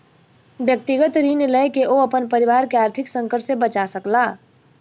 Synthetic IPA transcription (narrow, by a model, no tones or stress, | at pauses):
bjək̚t̪iɡət̪ɾinləjkeʔoɐpənpəɾiʋaːɾkeaːɾt̪ʰɪksə̃ŋkəʈsebət͡ʃasəkla